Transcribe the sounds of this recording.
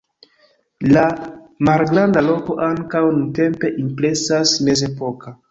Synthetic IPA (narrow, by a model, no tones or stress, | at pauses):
lamalɡɾandalo̞ko̞ʔaŋkawnunte̞mpe̞ʔimple̞sasme̞ze̞po̞ka